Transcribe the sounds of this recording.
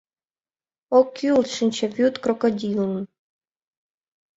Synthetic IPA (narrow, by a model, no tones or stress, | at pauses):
okʲːiulˠt̪ʂɘnʲt͡ɕevʲut̪krokodʲil̆